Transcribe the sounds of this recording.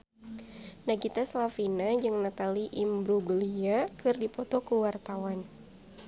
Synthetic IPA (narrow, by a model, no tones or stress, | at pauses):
naɡit̪aslafinad͡ʒɨŋnat̪aliʔimbɾuɡəliakɨrdipɔt̪ɔkuwart̪awan